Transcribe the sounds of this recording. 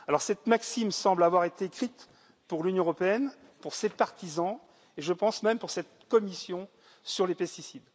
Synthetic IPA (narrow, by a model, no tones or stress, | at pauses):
alɔʁsɛt̪maksimsɑ̃blavwaʁet̪eːkχit̪ | puʁlynjɔ̃əʁɔpeɛn | puʁsepaʁt̪izɑ̃ | eʒəpɑ̃smɛmpuʁsɛt̪kɔmisjɔ̃ | syʁlepɛst̪isid̪